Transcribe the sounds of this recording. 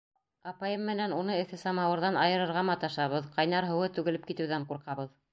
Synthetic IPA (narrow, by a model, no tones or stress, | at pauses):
ɑpɑjɤmːɘ̆nænunɤɘ̆θɘsɑmɑwɤ̆ɾðɑnɑjɤ̆ɾɤ̆ɾʁɑmɑt̪ɑʃɑβɤðqɑjn̪ɑɾɦɤ̆wɤt̪ʉɡɘ̆lɘpkit̪ɘ̆wðæɴquɾqɑβɤð